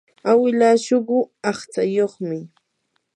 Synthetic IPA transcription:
awɪlaʃoɢʊɑχt͡sajoχmɪ

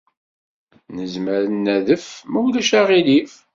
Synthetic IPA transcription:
nəzməɾənːæðəfmæwlæʃaʁilif

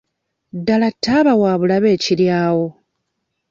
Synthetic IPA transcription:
dalatːaːβawaːβulaβe̞ːciljaːwo

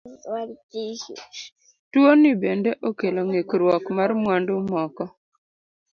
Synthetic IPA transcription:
waɾti | twonibendeʔokeloŋekɾwɔkmarmwandʊmɔkɔ

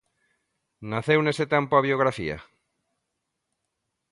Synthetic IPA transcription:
naθewneset̪empoaβjoɣ̞ɾafḭa̰

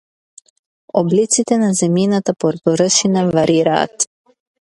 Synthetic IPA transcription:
ɔblit̪sit̪ɛnazɛminat̪apɔɾd̪ɔɾəʃinavaɾʔiɾa̰ːt̪

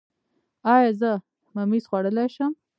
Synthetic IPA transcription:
ɑjɑzə | mamizxwaɽəlajʃəm

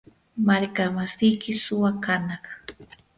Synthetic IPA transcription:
maɾkamasɪjkɪsʊwakanɑχ

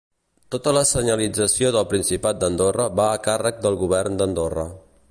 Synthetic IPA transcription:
t̪ot̪ələsəɲəlid͡zəsioðəlˠpɾinsipat̪̚d̪ənd̪orəβaːkarək̚d̪əlˠɣuβ̞ɛrnd̪ənd̪orə̰

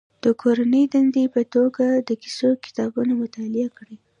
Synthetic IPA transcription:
d̪̥əkʰoɾanəjd̪and̪epət̪oɡad̪əkɪ̥sokɪ̥t̪ɑbunamʊt̪ɑlɪakɽi

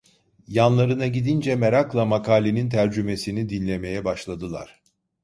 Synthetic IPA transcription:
janlˠaɾɯnaɟid̪ind͡ʒɛmeɾaklˠamakʰaːlʲenint̪ʰæɾd͡ʒyme̞sinid̪inlʲe̞me̞jɛbaʃlˠad̪ɯlˠa̰ɾ̥

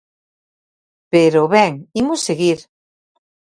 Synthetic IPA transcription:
peɾoβɛŋimʊseɣiɾ

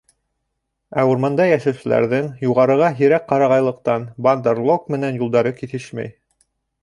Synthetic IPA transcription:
æuɾmɑnd̪ɑjæʃæwsɘ̆læ̰ɾðɘŋjuʁɑɾɤ̆ʁɑɦiɾæk̚qːɑɾɑʁɑjlˠɤ̆q̚t̪ɑnband̪ɤrlˠokmɘ̆nænjulˠd̪ɑɾɤkiθɘʃmæ̰j

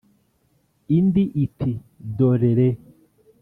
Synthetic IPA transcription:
indiʔitʰidoɾeɾe

